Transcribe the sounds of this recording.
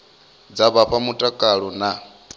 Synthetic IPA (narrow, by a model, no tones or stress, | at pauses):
d͡zaβaɸʰamutʼakʼaɺɔna